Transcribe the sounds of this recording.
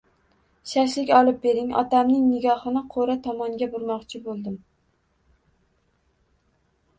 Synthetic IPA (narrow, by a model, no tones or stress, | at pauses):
ʃaʃ̬lɪkʲɒlˠɪp̚be̞ɾɪŋɒ̰t̪ʰamnɪŋnɪɡʲɒhɨnɪqʰoɾat̪ʰɒmɒŋɡʲabʊɾmɒqt͡ʃʰɪbolˠd̪ɪm